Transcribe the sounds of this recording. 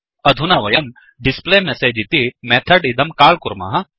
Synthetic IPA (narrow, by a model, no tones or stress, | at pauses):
ɐd̪ʱunaʋɐjɐn | ɖispleːmeseːd͡ʒit̪imɛt̪ʰɐɖid̪ɐmkaːlkuɾma̰ːɦɐ